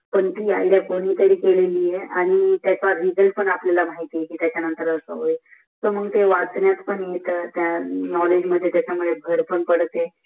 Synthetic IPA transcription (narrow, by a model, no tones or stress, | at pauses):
pəɳt̪iːajljakoɽ̃iːt̪əɾiːkeleliːjeaɽ̃it̪jat͡saɾid͡zəlpəɳaplalamaɦit̪ijekiːt̪jat͡ɕjanənt̪əɾəsə̰ɦoe | soməɡt̪eʋat͡snjat̪pəɳjet̪ət̪janɔled͡ʑməd̪ʱːjet̪jat͡ɕamuɭeɡʱəɾpəɳpəɽt̪e